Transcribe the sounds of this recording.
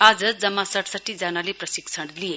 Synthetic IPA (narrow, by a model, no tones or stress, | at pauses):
ad͡zʌd͡zʌmːasʌʈsəʈːid͡zanaleprʌsiksʰəɽlije